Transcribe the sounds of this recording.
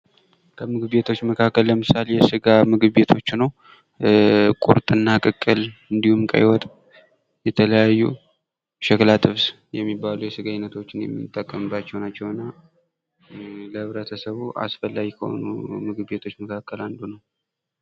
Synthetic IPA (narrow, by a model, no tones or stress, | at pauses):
kʰəmɨɡɨbe̞t̪ʰo̞t͡ʃːməkʰakːəlləmɨsalejɛsɨɡamɨɡɨβbe̞t̪ʰo̞t͡ʃːnəw | kʼṵɾt̪ʼɨnːakʼɨkʼːɨlɨnd̪ihumkʼə̰jwɔt̪ʼ | jɛt̪ʰələjajːṵ | ʃɛklat̪ʼɨβs | jɛmːibːalujɛsɨɡajnːət̪ʰo̞t͡ʃːɪnjɛ̰mːɨt̪ʼːəkʼːəmɨbːat͡ʃːɛwnat͡ʃːɛwɨnːa | ləhɨβɾət̪ʰəsəβuʔa̰sfəlːaɡikʰəho̞̰nṵmɨɡɨβbe̞t̪ʰo̞t͡ʃːməkʰakʰːəland̪unəw